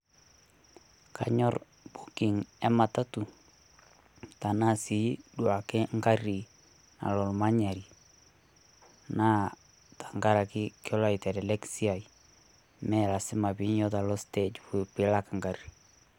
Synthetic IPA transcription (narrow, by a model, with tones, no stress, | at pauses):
ka̰˨ɲɔ˦r | bu˦kɪ˨ŋɛ˦ma˨ta˦tu˨ | ta˨na˦si˨˦dwa˨kɪ˦ŋɡa˦ri˨ | na̰˨lɔ˨lma˦ɲa˨ɾi˨ | na˦ | tḁ˨ŋɡa˦ɾa˨kɪ˦kɔ˦la˦itɛ˨dɛ˨lɛ˦ksi˦a˨i | mɛ˦la˨sɪ˦ma˨pi˦ɲjɔ˦ta˨lɔ˦stɛt͡ʃpu˨pɪ˨la˦kŋɡa˨ri˨